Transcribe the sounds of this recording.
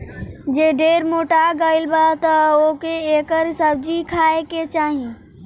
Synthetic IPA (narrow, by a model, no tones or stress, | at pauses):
d͡ʒeːɖeːɾmoːʈaɡəːɪlbat̪ɐokeeːkəɾsɐbd͡ʒikʰaːeket͡ʃaːɦĩ